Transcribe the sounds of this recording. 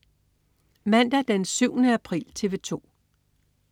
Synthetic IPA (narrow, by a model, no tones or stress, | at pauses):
mæn̰d̥æd̥ensyʊnəæpʰʁḭːlt͡sʰe̝ʋe̝t͡sʰo̝̰ː